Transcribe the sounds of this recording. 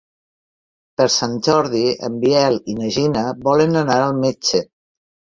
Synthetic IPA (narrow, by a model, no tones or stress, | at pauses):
pəɾsanʲd͡ʒɔɾðiə̰mbiɛlinəʒinəβɔlənənaɾəlˠmet͡ʃe